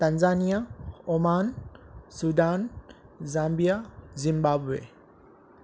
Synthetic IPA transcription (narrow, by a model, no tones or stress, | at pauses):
t̪ɐnzaːnijaomaːnsud̪aːnzaːmbijazimbaːbuḛ